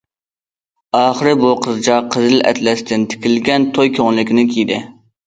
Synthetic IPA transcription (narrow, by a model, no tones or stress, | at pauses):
ɑːχəɾɨbuqʰəzd͡ʒɑqʰəzɪlɛ̰t̪lɛst̪ɪnt̪ʰɪ̥kʲilɡʲɛnt̪ʰojkʲʰoŋlˠɪkʲnɪkʲʰijd̪ɪ